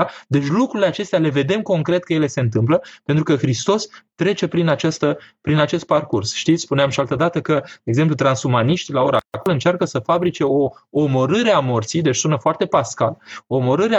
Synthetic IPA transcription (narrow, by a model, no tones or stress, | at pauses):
d̪e̞t͡ʃʲlukɾuileat͡ʃe̞st̪eale̞ve̞d̪e̞mko̞ŋkɾe̞t̪̚kəjele̞se̞ɨnt̪̬ɨmpləpent̪ɾukəxɾist̪o̞st̪ɾe̞t͡ʃe̞pɾinat͡ʃast̪əpɾinat͡ʃe̞st̪̚parkursʃt̪it̪sʲspuneamʃialt̪əd̪at̪əkəd̪eɡzemp̬lut̪ɾansumaniʃt̪ʲlao̞ɾakolɨnt͡ʃarkəsəfabɾit͡ʃe̞o̞ːmo̞ɾɨɾeamo̞rt̪sijd̪et͡ʃsunəfoart̪e̞paskaloːmoɾɨɾe